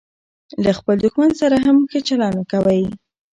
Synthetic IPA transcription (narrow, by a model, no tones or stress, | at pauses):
laxpəld̪ʊxmansaɾaɦamxet͡ʃalɑnakawaj